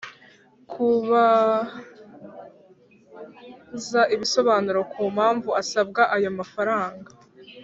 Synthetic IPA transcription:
kʰuβa | zaʔiβiso̞βaːnuɾokʰuːmhaːɱvuasab̚ɡaʔajo̞mafaɾaːŋɡa

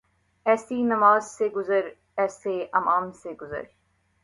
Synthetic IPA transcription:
ɛːsinɐmaːzseɡʊzəɾ | ɛːseɐmaːmseɡʊzə̰ɾ

